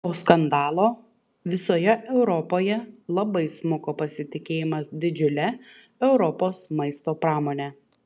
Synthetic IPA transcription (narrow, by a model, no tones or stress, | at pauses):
oːskɐnd̪ɑːlˠoː | ʋʲɪsoːjɛʔɛʊɾɔpoːjɛlˠɐbɐɪsmʊkoːpɐsʲɪt̪ʲɪkʲeːjɪmɐsd̪ʲɪd͡ʒʲʊlʲɛ | ɛʊɾɔpoːsmɐɪst̪oːpɾɑːmoːnʲɛ